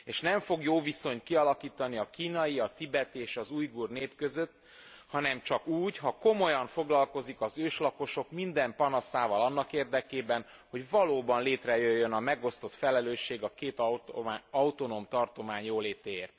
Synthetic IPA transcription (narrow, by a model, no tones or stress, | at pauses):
eːʃnɛɱfo̞ɡjoːviso̞ɲt̪kiɒlɒkiːt̪ɒniɒkiːnɒjiɒt̪ibɛt̪ieːʃɒzuːjɡuːrneːpkø̞zø̞t̪ː | hɒnɛmt͡ʃɒkuːɟɦɒko̞mo̞jɒɱfo̞ɡlɒlko̞zikɒzøːʃlɒko̞ʃo̞kmind̪ɛmpɒnɒsaːvɒlɒnːɒkeːrd̪ɛkeːbɛn | ho̞ɟvɒloːbɒnleːt̪rɛjøjːønɒmɛɡo̞st̪o̞t̪fɛlɛløːʃːeːɡɒkeːt̪ː | ɒut̪o̞noːmt̪ɒrt̪o̞maːɲjoːleːt̪eːeːrt̪